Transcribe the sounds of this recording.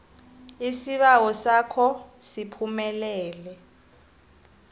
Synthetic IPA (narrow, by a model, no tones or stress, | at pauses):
isiɓawɔsakʰɔsipʰumɛlɛːlɛ